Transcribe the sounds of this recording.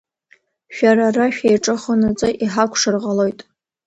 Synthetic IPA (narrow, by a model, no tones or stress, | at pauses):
ʃᶣaɾaraʃᶣejʈ͡ʂʼɨχonɨt͡sʼɨʔiħakʷʰʂɨrʁalo̞jtʼ